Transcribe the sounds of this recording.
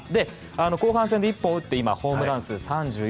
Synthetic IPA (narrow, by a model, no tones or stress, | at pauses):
d̪e̞ | ano̞ko̞ːɦãs̬ẽnd̪eipːõɯ̟t̪ːe̞ima̰ho̞ːmɯ̟ɾãɰ̃sɨsãɲd͡ʑɨː